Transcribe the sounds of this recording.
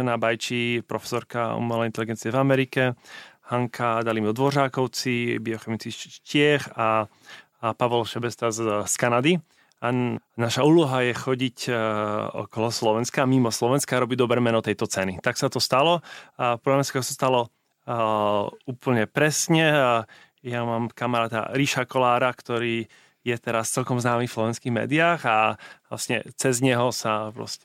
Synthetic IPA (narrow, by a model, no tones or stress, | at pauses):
ɛnabajt͡ʃipɾɔfɛ̥sɔɾkaṵmɛlɛint̪ɛliɡɛnt͡siɛvamɛɾikɛhaŋkʰad̪alimɔd̪ʋɔʒaːkɔʊt͡sibiɔxɛmit͡skiʃcɪɛxa | paʋɔlʃɛbɛst̪askanad̪i | anaʃauːlɔɦajɛxɔɟic | ɔ̰kɔlɔslɔʋɛnskamimɔslɔʋɛnskaɾɔbiɟd̪ɔbɾɛːmɛnɔt̪ɛjt̪ɔt͡sɛnit̪aksat̪ɔst̪alɔpɔɾamjaskatɔsast̪alɔ | uːpl̩ɲɛpɾɛsɲɛ | jamaːmkamaɾaːt̪a̰ɾiʃakɔlaːɾakt̪ɔɾiː | jɛt̪ɛɾast͡sɛlkɔmznaːmiːfslɔʋɛnskiːɦmɛ̰ːd̪iaːɣala̰sɲɛ̰t͡sɛzɲɛɦɔsapɾɔ̰scɛ